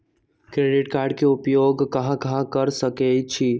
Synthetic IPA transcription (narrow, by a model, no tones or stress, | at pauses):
kɾeɖɪʈkaɾɖkeupjoɡkəɦãkəɦãkəɾsəkɛt͡ʃʰi